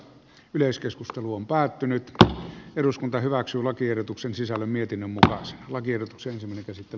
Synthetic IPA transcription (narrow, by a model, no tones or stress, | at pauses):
yleiskeskust̪eluompæːt̪ːynyt̪eɾuskunt̪ɑhyʋæksyːlɑkierot̪uksensisælːæmmiet̪inːømmukɑse̥nlɑkierdot̪ukseensimːæˑneŋkæsit̪ːel